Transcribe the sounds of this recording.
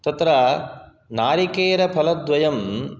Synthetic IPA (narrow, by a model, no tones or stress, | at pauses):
t̪ɐt̪ɾa | naːɾikeːɾɐpʰɐlɐd̪ʋɐjɐm